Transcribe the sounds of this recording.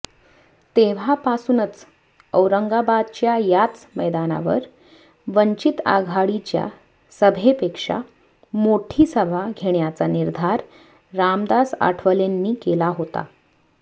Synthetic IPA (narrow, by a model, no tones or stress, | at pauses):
t̪eʋ̤apasuːnət͡s | əwɾəŋɡabad̪̚t͡ɕjajat͡sməjd̪ana̰ʋə̰ɾ | ʋəɲt͡ɕit̪a̰ɡʱaɽit͡ɕja̰ | səbʱepekʂa̰ | moʈʰiːsəbʱaɡʱeɳjat͡saniɾd̪ʱaɾ | ɾamd̪asa̰ʈʰʋəlenːiːkelaɦot̪a̰